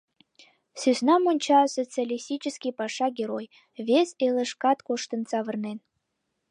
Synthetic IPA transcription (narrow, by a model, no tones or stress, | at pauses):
syznɑmonʲt͡ɕɑsot͡sɨalʲisʲt̪ʲit͡ɕəskʲipɑʃɑɡʲeɾoj | vʲesʲelə̆ʃkɑt̪koʃt̪ə̆nt͡sɑβə̆rnen